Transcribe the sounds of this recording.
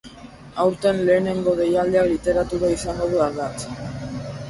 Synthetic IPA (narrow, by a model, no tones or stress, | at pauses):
awɾt̪enle̞ːne̞ŋɡo̞ðe̞jald̪eaklit̪e̞ɾat̪uɾaisaŋɡo̞ð̞ualðat͡s